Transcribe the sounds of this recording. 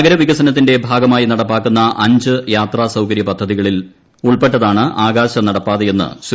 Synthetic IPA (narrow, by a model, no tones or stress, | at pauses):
ɡɐɾɐʋiɣɐsɐnɐt̪ːinde̞bʱaːɡɐmaːjinɐɽɐpːaːkːunːɐʔɐɲd͡ʑɨjaːt̪raːsɐwkɐɾjɐpɐd̪ʱːɐðiɣɐɭil | uɭpe̞ʈːɐðaːɳɨʔaːɡaːɕɐnɐɽɐpːaːðeje̞nːɨ̰ɕ